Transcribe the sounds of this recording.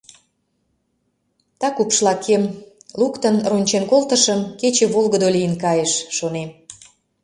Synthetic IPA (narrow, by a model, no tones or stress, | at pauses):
t̪ɑkupʃlɑkʰːem | lukt̪ənrunʲt͡ɕenkolt̪əʃə̆mket͡ɕĕβolˠɣəd̪olijənkɑjeʃːonem